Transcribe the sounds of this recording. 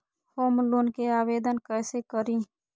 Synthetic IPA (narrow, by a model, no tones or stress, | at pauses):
hoːmlonkeaːʋeːd̪ənkɛːsekəɾĩː